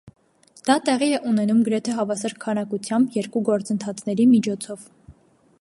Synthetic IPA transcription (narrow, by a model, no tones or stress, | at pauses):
d̪̥ɑt̪ɛʁiɛʔunɛnumɡəɾɛt̪ʰɛɦɑvɑsɑɾkʰːɑnɑkut͡sʰjɑmbjɛɾkuɡɔɾt͡sənt̪ʰɑt͡sʰn̪ɛɾimit͡ʃʰɔt͡sʰɔv